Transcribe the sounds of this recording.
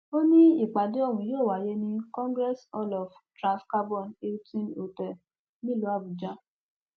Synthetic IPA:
o˦nĩ˦i˦˨k͡pa˨de˨˦ɔ˦˨wũ˨joː˦˨wa˨je˦nĩ˧kɔ̃˦ŋɡɾɛ˦sɔ˧lɔ˨ftɾã˨ska˧bɔ̃˦˨ne˧u˦tĩ˦no˨tɛ˨ | nĩ˦lo˨˦a˦˨bu˨d͡ʒa˨˦

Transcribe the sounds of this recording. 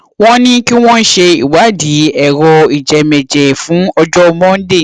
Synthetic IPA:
w̃ɔ̃˦nĩ˦ki˦w̃ɔ̃˦n̩˦ʃe˧i˨wa˨˦di˨˦ɛ˨ɾɔ˧i˨d͡ʒɛ˨mɛ˨d͡ʒɛ˨fũ˨˦ɔ˧d͡ʒɔ˦˧mɔ̃˦n̩˦de˦˨

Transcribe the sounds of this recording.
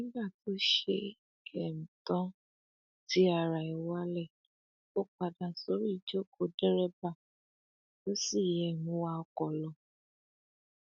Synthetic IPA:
nĩ˦ba˦˨tʰo˦ʃe˧ | kɛ˨m̩˨tɔ̃˦ | ti˦a˧˨ɾa˨i˨wa˦lɛ˦˨ | o˦k͡pa˨dã˨so˨˦ɾi˦i˨d͡ʒo˦ko˧˨dɛ˦ɾɛ˦ba˦˨ | o˦si˦˨jɛ˨nũ˨˦wa˧˦ɔ˧kɔ˨lɔ˨

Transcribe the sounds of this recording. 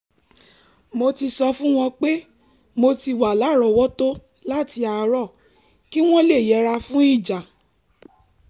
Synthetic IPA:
mo˧ti˧sɔ˧fũ˦w̃ɔ̃˧k͡pe˦ | mo˧ti˧wa˨la˨˦˨ɾɔ˧˨wɔ˦to˦ | la˦˨ti˧a˧ɾɔ˦˨ | ki˦w̃ɔ̃˦le˦˨jɛ˨˦ɾa˧fũ˦i˦˨d͡ʒa˨

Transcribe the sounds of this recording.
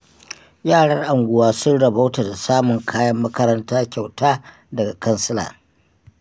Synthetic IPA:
jaː˦˨ɽɐ˦rʔa˨ŋɡʷʊ˨waː˦sʊ˦nɽɐ˨ba˦wta˨da˨saː˦mʊ˨ŋkʰaː˦jɐ˦mːɐ˦kɐ˦ɾɐ˦ntaː˦kʲa˨wtaː˦ | dɐ˨ɡa˨kɐ˦nsɪ˦la̰ː˨

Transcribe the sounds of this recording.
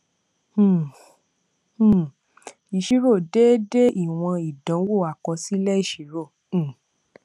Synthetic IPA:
i˨ʃi˨˦ɾo˦˨de˦de˦ʔi˦˨w̃ɔ̃˧i˨dɔ̃˨˦wo˦˨a˨kɔ˧si˦lɛ˦i˦˨ʃi˨˦ɾõ˦˨

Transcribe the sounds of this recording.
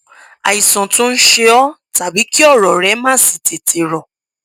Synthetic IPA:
a˨i˨sɔ̃˨tũ˦n̩˦ʃe˧ɔ˦ta˨bi˨˦ki˦ɔ˦˨ɾɔ˨ɾɛ˨˦mãː˦˨si˨te˨tʰe˨ɾɔ˨

